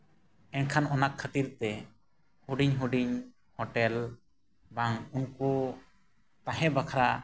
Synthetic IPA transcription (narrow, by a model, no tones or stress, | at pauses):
ɛnkʰanɔnakʰːət̪iɾt̪ɛ | huɖiɲɦuɖiɲ | hɔʈɛl | baŋunku | t̪aɦɛ̃bakʰaɾa